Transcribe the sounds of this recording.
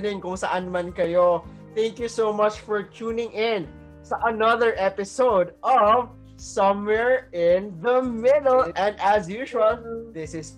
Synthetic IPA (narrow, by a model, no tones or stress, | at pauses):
nɪ̃ŋkʊŋsɐʔanmɐnkɐjo | θæ̃ŋkjusomɐt͡ʃfɔɹt͡ʃuːnɪ̃ŋɪ̃n | sɐʔɐnɐðəɹʔɛpɪsoʊd̪ʔɔv | sʌ̃mwɛɹɪ̃nðɐmɪd̪ɛlɛ̃nd̪ɐsjuʃuwɐlðɪsɪs